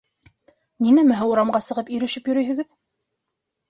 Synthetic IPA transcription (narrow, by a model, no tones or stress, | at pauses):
ninæmæɦɘuɾɑmɢɑsɤ̆ʁɤpiɾɵ̆ʃɘpjɵ̆ɾɵjhɘ̆ɡɘð